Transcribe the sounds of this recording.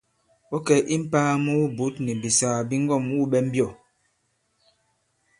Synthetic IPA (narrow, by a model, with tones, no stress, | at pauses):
ɔ˦kɛ˨ʔi˦m̩˦paː˦mu˦u˦bu˨˦tni˨bi˨sa˨bi˦ŋ̩˦ɡɔ˦˨mu˦ɓɛ˦m̩˦bjɔ˦˨